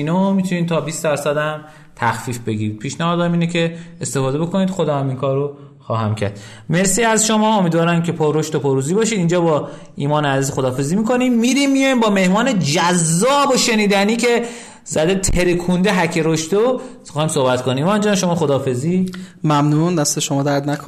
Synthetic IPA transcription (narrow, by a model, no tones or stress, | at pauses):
inomit̪ʰuniːmt̪ʰɒːbiːsd̪æɾsæd̪æm | t̪ʰæxfiːfbe̞ɡiɾiːd̪̥̚pʰiːʃnæhɒːd̪ɒːmiːnecʰe̞est̪e̞fɒːd̪eo̞koniːd̪xo̞d̪ɒːhæmiŋkʰɒːɾo | xɒːɦæmcʰæ̰ɾd̪̥ | me̞ɾsiːæzʃomɒːomiːd̪vɒːɾæmcʰe̞pʰoɾoʃt̪opʰoɾuːziːbɒːʃiːd̪iːnd͡ʒɒːbɒː | iːmɒːneæziːzxod̪ɒːfe̞ziːmiko̞nimːiɾiːmːijujimbɒːme̞hmɒːned͡ʒæzːɒːboʃe̞niːd̪æniːcʰe̞ | zæd̪et̪ʰeɾekʰund̪eɦæcʰeɾoʃt̪o | iːmsohbæt̪kʰoniːvɒind͡ʒɒːnʃo̞mɒːxod̪ɒːfe̞ziːmæmnund̪æst̪eʃomɒːd̪æɾd̪nækʰo